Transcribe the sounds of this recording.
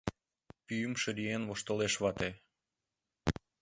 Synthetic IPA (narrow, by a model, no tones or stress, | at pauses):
pyjymʃəɾienβoʃt̪oleʃβɑt̪e